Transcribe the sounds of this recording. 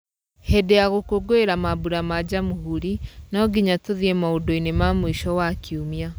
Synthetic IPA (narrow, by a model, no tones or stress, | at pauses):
hedeaɣokoɡoeɾamaβuɾamad͡ʑamuɦuɾinɔɡiɲatoðiemaodoinemamwiʃɔwakʰiumja